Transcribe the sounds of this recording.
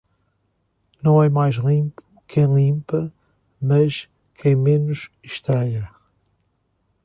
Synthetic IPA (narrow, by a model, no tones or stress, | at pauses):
nɐ̃w̃ɛmajʒlˠĩmpu̥kʰɐ̃j̃lˠĩmpɐ | mɐʃ | kʰɐ̃j̃menuʃ | ʃt̪ɾaʎɐ